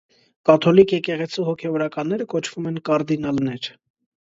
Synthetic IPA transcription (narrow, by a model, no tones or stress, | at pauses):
kɑt̪ʰɔlikjɛkɛʁɛt͡sʰihɔkʰɛvɔɾɑkɑnːɛɾəkɔt͡ʃʰv̥umɛnkɑɾd̪inɑlnɛɾ